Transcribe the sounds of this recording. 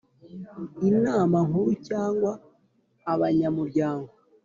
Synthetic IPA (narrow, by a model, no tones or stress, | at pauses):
inaːmaŋuɾucaːŋɡwaː | βaɲamuɾɟaːŋɡo